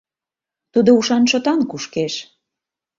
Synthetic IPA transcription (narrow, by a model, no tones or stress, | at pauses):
t̪ud̪ouʃɑnʃot̪ɑnkuʃkeʃ